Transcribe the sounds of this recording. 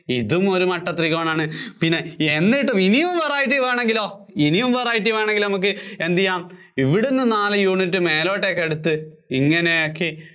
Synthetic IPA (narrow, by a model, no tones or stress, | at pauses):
iðumo̞ɾumɐʈːɐt̪riɣoːɳaːɳɨpinːe̞enːiʈːuminijumʋɐraːjiʈ̬ːiʋeːɳe̞ŋɡilo̞ː | inijumʋeraːjiʈːiʋeːɳeŋɡilnɐmuk̬ːɨe̞nd̪ijaːm | iʋiɽunːɨnaːlɨjuːɳitːɨme̞ːlo̞ːʈːekːeɽut̪ːɨ | iŋːɐnejokːi